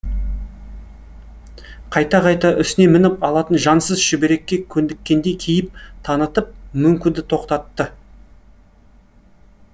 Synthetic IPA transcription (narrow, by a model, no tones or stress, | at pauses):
qʰɑjt̪ɑqɑjt̪ɑʔʏsɪne̞mɪnɪpɑlˠɑt̪ənʒɑnsəzʃɪbe̞ɾe̞kʲːe̞kʲʰɵnd̪ɪkʲːe̞nd̪e̞jkʲʰejɪp̚t̪ʰɑnət̪əp̚mʏmkʲɪnd̪ɪt̪ʰo̞qt̪ɑt̪ːə